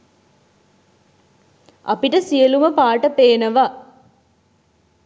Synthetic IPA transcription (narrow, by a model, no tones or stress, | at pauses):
a̰piʈəsijəluməpaːʈəpeːnəʋa